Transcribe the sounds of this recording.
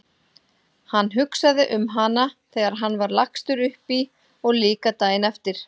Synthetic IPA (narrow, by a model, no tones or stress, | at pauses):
hanːɦʏksaðɪʔʏmɦanaθɛːɣaɾ̥ɦanːvaɾlakst̪ʏɾʏhpi | ɔɣliːkat̪aːjɪnɛft̪ɪɾ̥